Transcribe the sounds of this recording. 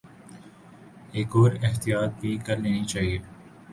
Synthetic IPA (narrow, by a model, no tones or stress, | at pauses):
eːkɔːɾɪɦt̪ijaːt̪̚bʱikɐɾneːnit͡ʃaːɦieː